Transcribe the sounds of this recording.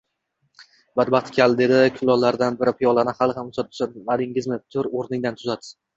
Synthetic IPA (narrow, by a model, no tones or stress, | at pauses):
bad̪̚baχt̪kʲʰald̪e̞d̪ɪkʲʰʊlˠɒlːaɾd̪anbɪɾɪpʰijɒlˠanɪχalˠɪχamʊsat̪̚ʰʊ̥sanvalɪŋɪzmɪt̪ʰʊɾoɾnɪŋd̪ant̪ʰʊzad̪